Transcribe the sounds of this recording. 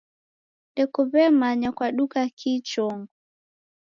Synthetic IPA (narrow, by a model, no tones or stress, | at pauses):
ɗɛkɔβɛmaɲakwaɗukakʰit͡ʃɔŋɡu